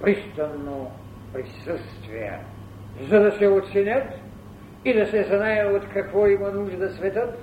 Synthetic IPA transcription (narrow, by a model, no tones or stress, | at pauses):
pɾist̪ɐnːo | pɾisəst̪vijɛ̰ | zɐd̪ɐsɛot̪sɛnʲət̪ | id̪ɐsɛzɐnajavot̪kɐkvɔimɐnuʒd̪ɐsvɛt̪ət̪